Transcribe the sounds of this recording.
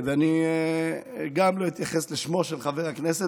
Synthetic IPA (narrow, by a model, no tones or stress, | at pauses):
vani | ɡamlo̞it̪jaχesleʃmo̞ʃelχaveʁaknese